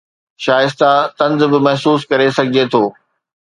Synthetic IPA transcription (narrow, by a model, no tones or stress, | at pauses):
ʃaːjɪst̪at̪ɐ̃nzbɪmɐɦsuːskɐɾesɐɡʱɪd͡ʑet̪ʰoː